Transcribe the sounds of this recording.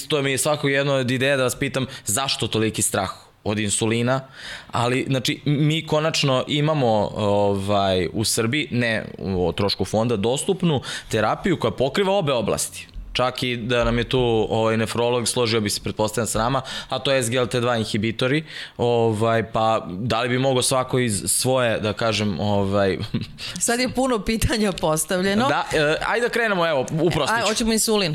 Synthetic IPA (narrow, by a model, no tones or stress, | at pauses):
ist̪omiesʋakokjed̪nod̪id̪eːjad̪aʋaspiːt̪amzaʃt̪o̞t̪o̞likist̪ɾaːx | od̪insuliːnaa̰liznaːt͡ʂimiːko̞nat͡ʂnoʔimamo̞ovajusr̩biinḛt̪ɾo̞ʃkufo̞nd̪ad̪o̞st̪upnut̪eɾapijuko̞japo̞kɾiʋao̞be̞o̞blˠa̰st̪i̥t͡ʂakid̪anamjet̪uːoʋajnefɾo̞lˠo̞ɡslˠo̞ʒiobise̥pɾet̪po̞st̪avʎʲansanaːmaat̪oesɡelˠt̪ed̪ʋaːinxibit̪oɾioʋajpad̪alibimo̞ɡosʋako̞izsʋo̞je̞d̪akaːʒemoʋajsad̪jepunopiːt̪ʰaɲapost̪aʋʎenod̪aəa̰jd̪akɾeːnemoeʋoupɾosot͡ɕemoisulin